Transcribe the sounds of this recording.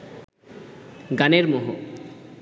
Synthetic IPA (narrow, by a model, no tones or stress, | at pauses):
ɡaneɾmoɦo